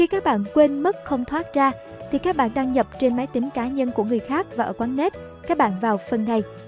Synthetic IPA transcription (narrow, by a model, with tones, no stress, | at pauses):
xi˧kaː˦˥k̚ɓa̰ː˧˨nkwe˧nmə˦˥k̚xə˧wŋ͡mt̪ʰwaː˦˥t̚zaː˧ | t̪ʰi˨˩kaː˦˥k̚ɓa̰ː˧˨nɗaː˧ŋɲə˨˩p̚t͡ɕe˧nmaː˨˦jt̪ï˨˦ŋ̟kaː˨˦ɲə˧nku˧˩əŋɨ˨˩əjxaː˦˥k̚vaː˨˩ʔəː˧˩kwaː˨˦nne˦˥t̚ | kaː˦˥k̚ɓa̰ː˧˨nvaː˨˩wfə˨˩nːa˨˩j